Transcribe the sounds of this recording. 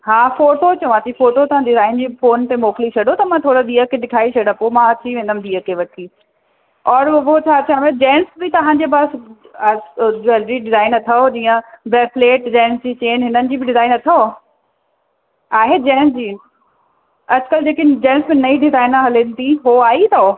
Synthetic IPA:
ɦaːfoːʈot͡ɕɐũãt̪ʰifoːʈot̪ɐãɖɪzaːɪnd͡ʑiːfoːnt̪emoːkɪlit͡ɕʰɐɖot̪ɐmãt̪ʰoːɽod̪iːəkːeɗɪkʰaːit͡ɕʰɐɽəpomãɐt̪ʰiʋẽːnd̪əmd̪iːəkʰːeʋɐʈʰiː | ɔːɾbot͡ɕʰaːt͡ɕʰaːmẽd͡ʑɛːnsbɪt̪ɐɦãd͡ʑeːbas | d͡ʑɛlɾiɖɪzaːɪnɐt̪ʰɐod͡ʑiːə̃bɛːfleːʈd͡ʑɛːnsd͡ʑiːt͡ɕeːnɦɪnənɪ̆d͡ʑiːbɪɖɪzaːɪnɐt̪ʰa | aːɦed͡ʑɛːnsd͡ʑiː | ɐd͡ʑkəld͡ʑeːkid͡ʑɛ̃ːnsmẽnɐĩɖɪzaːɪnɦɐlɪnt̪iɦoaːit̪ʰoo

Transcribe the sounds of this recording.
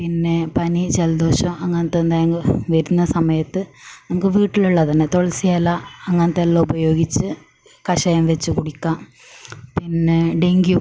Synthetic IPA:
pinːe̞pɐnit͡ɕeld̪o̞ːɕɐmɐŋːɐnt̪ːend̪aːjɐŋɡilʋɐɾunːɐsɐmɐjɐt̪ːɨnɐmukːɨʋiːʈːiluɭːɐt̪ɐnːet̪oɭɐsijalːɐɐŋːɐnt̪ːelːɐubɐjo̞ːɡit͡ɕːɨ | kɐɕɐjɐmʋet͡ɕːɨkuɽikʲːaːm | pinːeɖeŋɡju

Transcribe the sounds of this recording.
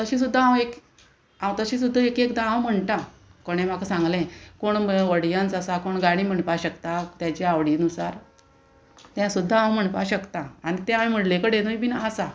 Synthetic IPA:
t̪əɕĩs̬ud̪ʱːaɦãwek | ãwt̪əɕĩs̬ud̪ʱːaekekd̪ããwm̤əɳʈ̪ã | koɽ̃ẽm̤akʰasãŋɡlẽkoɳʋəɽjant͡səsakoɳɡaɽ̃ĩm̤əɳpaɕəkt̪at̪jat͡ɕiaʋɽiːnusaɾ | t̪jãsud̪ʱːaãw̃m̤əɳpaɕəkt̪ãaɽ̃it̪ẽamim̤əɽlẽkəɽenujbinaəsa

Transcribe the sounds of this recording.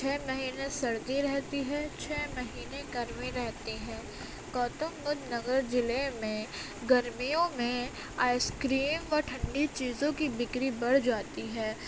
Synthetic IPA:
t͡ʃʰɛːmɐɦiːnesɐɽɡiɾɛɦt̪iɦɛːt͡ʃʰɛːmɐɦiːneɡɐɾmiɾɛɦt̪iɦɛ̃ː | kɔːt̪əmːʊd͡ʒ̪nɐɡəɾd͡ʒɪlemẽ | ɡɐɾmijõmẽ | aːɪskɾiːmʋɔʈʰɐ̃ɳɖit͡ʃiːzõkibɪkɾibɐɽ̤d͡ʒaːt̪iɦɛː

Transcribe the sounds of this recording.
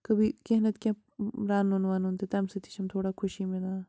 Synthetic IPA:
kɐbʱikeɦnət̪kʲã | ɾaːnːonʋaːnõnt̪et̪ɐmsɐt̪i̥ʃɐmt̪ʰoːɽaːkʰʊʃimɪlãː

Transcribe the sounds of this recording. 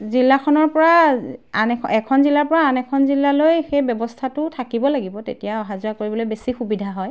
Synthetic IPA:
zilːakʰɔnɔɹpɔɹaanɛkʰɛkʰɔnzilaɹpɔɹaːnɛkʰɔnzilːalojxejbjɔbɔstʰatʊtʰakibɔlaɡibɔtetijaɔɦazuakoɹibɔlojbesixubidʱaɦɔj

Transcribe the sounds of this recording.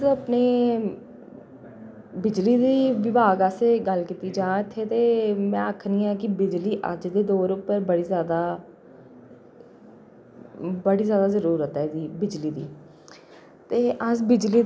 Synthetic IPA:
əpneː | bɪd͡ʒliːd̪iːʋɪbʱaːɡəseːɡəlkiːt̪iːd͡ʒãːɪt̪ʰːeːt̪eːmɛ̃ːəkʰniːɛːk̬ɪbɪd͡ʒliːʔə̰d͡ʒd̪eːd̪oːɾʊpːəɾbəɽiːzjaːd̪aː | bəɽiːzjaːd̪aːzəɾuːɾət̪ɛːsiːbɪd͡ʒliːd̪ḭː | t̪eːʔəd͡ʒbɪd͡ʒliː

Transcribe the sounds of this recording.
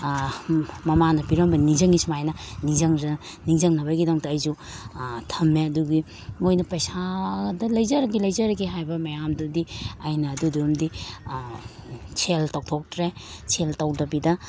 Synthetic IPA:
mɐmanɐpiɾɐmbɐniŋzɐŋismajnɐniŋzɐŋz | niŋzɐŋnɐbɐɡidaŋtɐɐjzu | tʰɐmːeɐduɡi | mojnɐpɐjsadɐlɐjzɐɾɐɡilɐjzɐɾɐɡiɦajbɐmɐjamdudiajnɐːduduumdi | t͡ʃʰeltawtʰok̚tɾet͡ʃʰeltɐwdɐbidɐ

